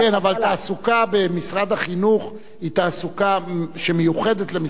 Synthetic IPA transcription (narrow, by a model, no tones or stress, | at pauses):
kenavalt̪aːsukabe̞misʁad̪aχinuχ | hit̪aːsukaʃemejuχe̞d̪et̪le̞mi